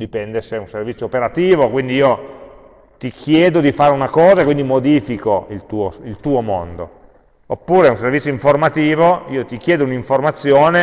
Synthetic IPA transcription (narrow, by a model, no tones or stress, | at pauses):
d̪ipɛnd̪eseunservit̪sjopeɾat̪iːvokwind̪iiːo | t̪ikʰjɛːd̪od̪ifaːɾeunakɔːzaekwind̪imod̪iːfikoilt̪uːoilt̪uːomond̪o | opːuːɾeunservit̪sjoiɱformat̪iːvoiːot̪ik̟jɛːd̪ouniɱformat̪sːjoːne